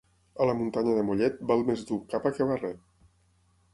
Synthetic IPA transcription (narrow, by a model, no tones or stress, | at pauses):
ələmunt̪aɲəðəmuʎɛt̪̚balˠmezd̪ukapakeβarɛ